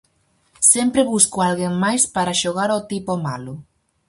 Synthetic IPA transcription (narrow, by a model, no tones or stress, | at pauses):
sempɾeβuskoalɣeŋmajspaɾaʃoɣaɾot̪ipomalʊ